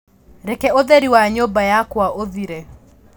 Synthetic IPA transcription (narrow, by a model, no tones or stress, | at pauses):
ɾekɛoðeɾiwaɲobajakwaʔoðiɾe